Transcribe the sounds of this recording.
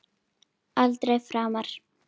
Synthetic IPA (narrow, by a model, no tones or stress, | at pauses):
alt̪ɾejfɾaːmaɾ̥